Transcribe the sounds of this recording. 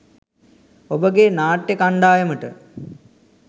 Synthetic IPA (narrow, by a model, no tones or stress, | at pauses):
obəɡenaːʈjekaɳɖaːjəməʈə